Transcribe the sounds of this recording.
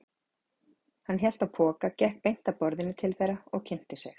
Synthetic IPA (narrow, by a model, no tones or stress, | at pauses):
hanːçjɛl̥t̪apʰɔːkacɛhk̚pejn̥t̪apɔɾðɪnːɪt̪ʰɪlθejɾaɔɣcʰɪn̥t̪ɪsjɛ̰x